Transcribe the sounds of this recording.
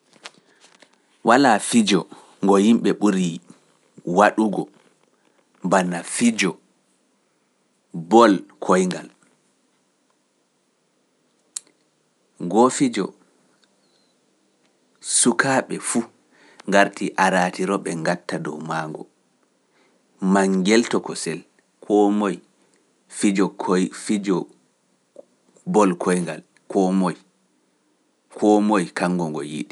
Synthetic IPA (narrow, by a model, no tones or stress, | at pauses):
walaːfid͡ʒɔ | ŋɡɔhimɓɛɓuɾi | waɗuɡɔ | banafid͡ʒɔ | bɔlkʰɔjŋɡal | ɡɔfid͡ʒɔ | sukʰaːɓɛfu | ŋɡaɾtiʔaɾaːtiɾɔɓɛŋɡatːadɔwmaŋɡɔ̰ | maŋɡɛltɔkɔsɛl | kʰɔmɔj | fid͡ʒɔfid͡ʒɔ | bɔlkʰɔjŋɡa̰l | kʰɔmɔj | kʰɔmojkaŋɡɔŋɡɔ̰jḭɗi